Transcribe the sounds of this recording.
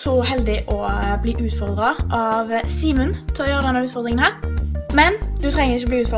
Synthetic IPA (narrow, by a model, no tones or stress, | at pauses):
sɔɦɛld̪ɪʔɔbliːʔʉːt̪fɔʁd̪ɾɑʔɑʋsiːmʉnt̪ʰɪlɔjøːʁəd̪ɛnːəʉːt̪fɔʁd̪ɾɪŋənhæːʁmɛnd̪ʉt̪ʰɾɛŋəʁɪçəɔbliːʉːt̪fɔ